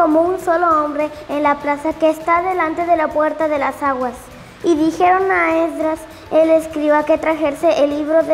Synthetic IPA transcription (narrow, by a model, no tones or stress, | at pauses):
omounso̞lo̞ombɾe̞enlaplasakeːst̪aðe̞lant̪e̞ðe̞lapwe̞ɾt̪aðe̞lasaɣwas | iðixe̞ɾo̞naeðɾas | eleskɾiβaket̪ɾaxeɾseʔelːiβɾoð